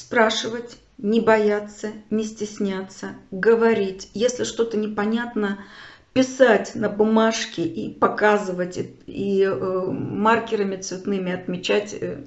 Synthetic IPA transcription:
spɾaʂɨvətʲ | nʲɪbɐjat̪sənʲɪsʲtʲɪsʲnʲat̪sːəɡəvɐɾʲitʲjesʲlʲɪʂt̪o̞t̪ənʲɪpɐnʲat̪nəpʲɪsatʲnəbʊmaʂkʲɪʔipɐkazɨvətʲi | markʲɪɾəmʲɪt̪svʲɪt̪nɨmʲɪɐt̪mʲɪt͡ɕætʲ

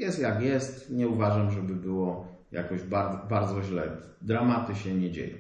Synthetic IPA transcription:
jɛst̪ʲjakjɛst̪ɲɛuvaʐamʐɛbɘbɘwɔ | ja̰kɔʑbabaɾd̪zɔʑlɛ̰ | d̪ɾamat̪ɘɕɛɲɛd͡ʑḛjɔ̰̃

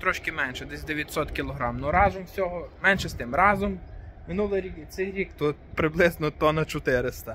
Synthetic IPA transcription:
t̪ɾɔʃkɪmɛnʃɛd̪ɛsʲd̪eʋʲjɐt̪ʲsɔt̪kʲilˠɔɦɾɑmnɔɾɑzɔmsʲɔɦɔmɛnʃɛst̪ɪmɾɑzɔmmɪnulˠɪɾʲikisɛjɾʲikt̪ut̪̚pɾɪblˠɪznɔt̪ɔnɐt͡ʃɔt̪ɪɾɪst̪ɐ

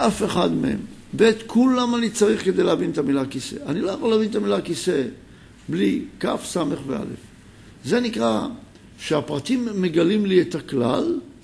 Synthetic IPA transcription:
ʔafe̞χadmḛhe̞̰m | bet̪kʰulamanit͡saʁiχked̪e̞jleavinet̪amilakise̞̰anilo̞jaχolaavinet̪amilakise | blika̰fsame̞χveʔa̰le̞̰f | ze̞nikʁa | ʃeapʁatimːeɡalimliet̪akla̰l

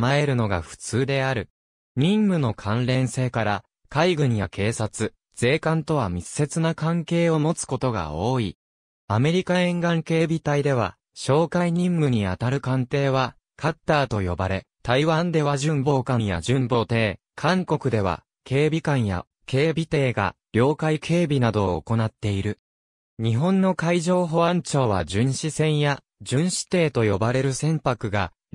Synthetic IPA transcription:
mae̞ɾɯ̟no̞ɡa̰ɸɯ̟̥t͡sɨːd̪e̞aɾɯ̟ | ɲ̟ĩmːɯ̟no̞kʰãnɾẽ̞ɰ̃se̞ːkaɾa | kaiɡɯ̟ɲ̟ijakʰe̞ːsat͡sɨ | z̥e̞ːkãnt̪o̞βamʲisːe̞t͡sɨnakãŋke̞ːo̞mo̞t͡sɨ̥ko̞t̪o̞ɡa̰o̞ːi | ame̞ɾʲikaẽ̞ŋɡãŋke̞ːbʲit̪aid̪e̞β̞a̰ | ɕo̞ːkaiɲ̟ĩmːɯ̟ɲ̟iat̪aɾɯ̟kãnt̪e̞ːβa | kʰat̪ːaːt̪o̞jo̞baɾe̞ | t̪aiβãnd̪e̞βaʑɨ̃mbo̞ːkãɰ̃ja̰d͡ʑɨ̃mbo̞ːt̪e̞ː | kʰãŋko̞kɯ̟d̪e̞β̞a̰ | kʰe̞ːbʲikãɰ̃ja̰ | ke̞ːbʲit̪e̞ːɡa̰ɾʲo̞ːkaikʰe̞ːbʲinad̪o̞̰ːko̞nat̪ːe̞iɾɯ̟ | ɲ̟iɦõ̞nːo̞kaiʑo̞ːɦo̞βãɲt͡ɕo̞ːβa̰d͡ʑɨ̃ɰ̃ɕisẽ̞ɰ̃ja | d͡ʑɨ̃ɰ̃ɕi̥t̪e̞ːt̪o̞jo̞baɾe̞ɾɯ̟sẽ̞mpakɯ̟ɡa̰

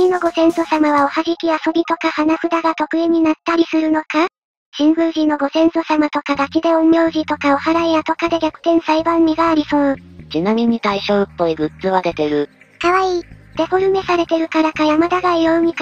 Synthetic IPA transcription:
inːo̞ɡo̞sẽ̞ɰ̃so̞samaβ̞ao̞haʑikʲiaso̞bʲit̪o̞kahanaɸɯ̟d̪aɡat̪o̞kɯ̟eɲ̟inat̪ːaɾʲisɨɾɯ̟no̞ka | ɕĩŋɡɯ̟ːʑĩnːo̞ɡo̞sẽ̞ɰ̃so̞samat̪o̞kad̪akʲid̪e̞õmːʲjo̞ːʑit̪o̞kao̞haɾaijat̪o̞kad̪e̞ɡʲakɯ̟̥t̪ẽ̞ɰ̃saibãmːʲiɡaːɾʲiso̞ɯt͡ɕinamʲiɲ̟it̪aiɕo̞ɯpːo̞iɡɯ̟t̪t͡sɨβad̪e̞t̪e̞ɾɯ̟ | kaβaiːd̪̥e̞ɸo̞ɾɯ̟me̞saɾe̞t̪e̞ɾɯ̟kaɾakajamad̪aɡaijoɯɲ̟ik

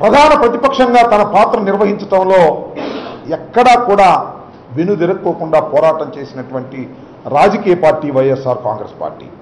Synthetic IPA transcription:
pɾɐd̪ʱaːnɐpɾɐt̪ipɐkʂɐŋɡaːt̪ɐnɐpaːt̪ɾɐniɾʋɐɦiɲt͡ʃɐʈɐmlo̞ː | ɛkːɐɽaːkuːɽaː | ʋinud̪eɾɐkːoːkuɳɖaːpɔːɾaːʈɐmt͡ʃe̞ːsinɐʈuʋɐɳʈi | ɾaːd͡ʒɐkiːjɐpaːɾʈiːʋɐjesaːɾka̰ːŋɡɾespa̰ːɾʈḭː

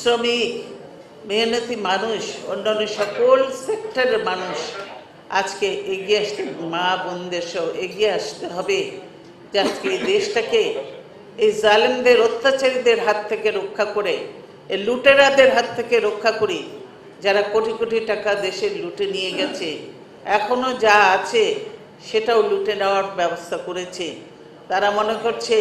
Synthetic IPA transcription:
sɾomik | menot̪imanuʃo̰nːanːoʃɔkolsek̚ʈaɾeɾmanuʃ | ad͡ʑkeeɡieaʃt̪emabond̪eɾʃɔoʔeɡieaʃt̪eɦɔbe | d͡ʑad͡ʑkeejd̪eʃʈake | ejzalend̪eɾot̪ːat͡ɕaɾid̪eɾɦat̪ʰːekeɾokʰːakoɾe | luʈeɾad̪eɾɦat̪ʰːekeɾokʰːakoɾi | d͡ʑaɾakoʈikoʈiʈakad̪eʃeɾluʈenijeɡɛt͡ɕʰe | ɛkʰonod͡ʑaat͡ɕʰe | ʃeʈaoluʈenaoaɾbɛbost̪ʰakoɾet͡ɕʰe | t̪aɾamonekoɾt͡ɕʰe

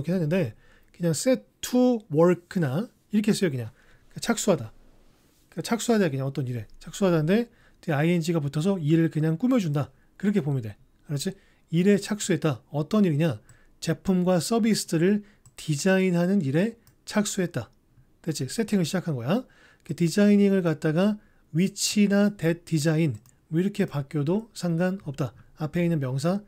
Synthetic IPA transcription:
kʰeɦenːɯnde̞ | kɯɲaŋs͈etʰuwʌɭkʰɯna | iɾʌkʰees͈ʌjokɯɲaŋ | kat͡ɕʰak̚s͈uɦada | kat͡ɕʰak̚s͈uɦadaakɯɲaŋʌt͈ʌniɾe̞t͡ɕʰak̚s͈uɦadanɯnde̞ | t͡ɕeaiend͡ʑiɡap̬utʰʌs̬ʰʌiɾɯɭkɯɲaŋk͈umjʌd͡ʑunda | kɯɾʌkʰe̞pomjʌnde | kɯɾʌt͡ɕʰi | iɾet͡ɕʰak̚s͈uɦe̞t̚t͈aʌt͈ʌniɾkɯɲa | t͡ɕe̞pʰumɡwas͈ʌbisʰɯ̥dɯɾɯɭ | tʰid͡ʑainɦanɯniɾe̞ | t͡ɕʰak̚s͈uɦe̞t̚t͈a | tet͡ɕ͈is͈ʰe̞tʰiŋɯɭɕʰid͡ʑakʰanɡʌja | ketid͡ʑaiɲiŋɯɭkat̚t͈aɡa | wit͡ɕʰinate̞t͈ːid͡ʑain | iɾʌkʰe̞pak͈jodosʰaŋɡanʌp̚t͈aːpʰe̞inːɯnmjʌŋs̬ʰa

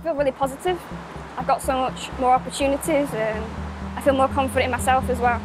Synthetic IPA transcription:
bilˠɹɪːlˠipʰɒzɪtɪv̥ | aɪvɡɒtsoʊmʊt͡ʃmɔːɹɒpət͡ʃʰʉːnɪtʰɪzə̃maɪfiːlˠmɔːkʰʌ̃ɱfəɾɪ̃nmaɪsɛlˠfəzwɛlˠ

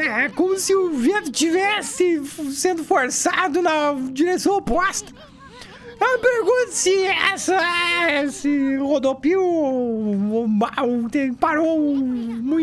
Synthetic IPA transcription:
ɛkõmʊsɪʊvẽt̪ʊt͡ʃivɛsɪsẽnd̪ʊfoɾsad̪ʊnɐd͡ʒiɾesɐ̃w̃opɔst̪ɐ̥ | ewmɪpeɾɡũt̪ʊ̥sɪɛsɐɛsɪhod̪opiɾo | baot̪ẽpaɾo | mũj̃

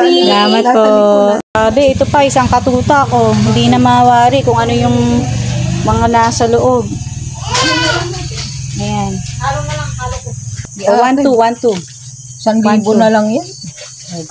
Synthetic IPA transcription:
ɐlaːmɐt̪̚posaːbɛʔɛt̪o̞pɐʔɪsaŋkɐt̪uːt̪ɐʔɐko̞hɪnd̪inɐmaːwaːɾɪkʊŋʔɐno̞jʊŋ | mɐŋanaːsɐloʔob̚ | ʔɐjan | owant̪uwant̪u | sɐnɡabʊnɐlɐŋjon

